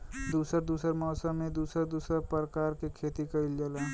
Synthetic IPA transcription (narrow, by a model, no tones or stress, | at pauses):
d̪usəɾd̪usəɾmɔːsəmːed̪usəɾd̪uːsəɾpɾəkaɾkekʰet̪ikəɪld͡ʒəla